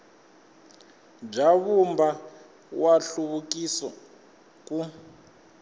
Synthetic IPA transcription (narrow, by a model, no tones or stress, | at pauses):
b͡ʐaβumbʱa | waɬuβukisɔ | ku